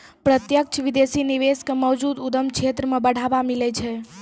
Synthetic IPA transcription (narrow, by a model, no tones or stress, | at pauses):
pɾət̪jək̚t͡ʃʰʋid̪esiniʋeskemɔd͡ʒud̪ud̪əmkt͡ʃʰet̪ɾəmebəɽ̤abamilɛt͡ʃʰɛ